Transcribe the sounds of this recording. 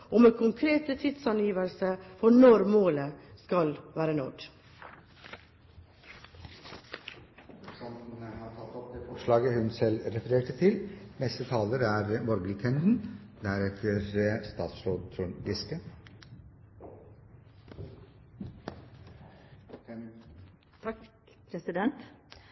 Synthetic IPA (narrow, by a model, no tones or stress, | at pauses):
ʔɔmekʰʊŋkʰɾeːt̪ət̪ʰɪd̪sɑnjiːʋəlsəfɔɳɔɾmoːləskɑlʋæːɾənɔɖ | sɔmhɑt̪ʰɑt̪ːɔpd̪eːfɔʂɭɑːɡəhʉnsɛlɾɛfəɾeːʈət̪ʰɪlnɛst̪ət̪ʰɑːləɾæɾmɔɾɡəlkʰɛnd̪n̩d̪æɾɛt̪ʰəɾst̪ɑːt̪sɾoːd̪t̪ʰɾʉɡɪskə | pʰɾɛsɪd̪ɛnt̪